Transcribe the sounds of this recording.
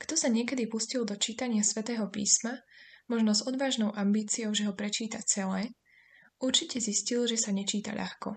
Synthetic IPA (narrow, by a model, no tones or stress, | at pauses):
kt̪ɔsaɲɪɛkɛd̪ipuscild̪ɔt͡ʃiːt̪aɲɪasʋɛt̪ɛːɦɔpḭːsmamɔʒnɔzɔd̪ʋaːʒnɔʊʔambiːt͡siɔʊʒɛɦɔpɾɛt͡ʃiːt̪at͡sɛlɛː | uɾt͡ʃicɛziscilʒɛsaɲɛt͡ʃiːt̪a̰ʎʔa̰xkɔ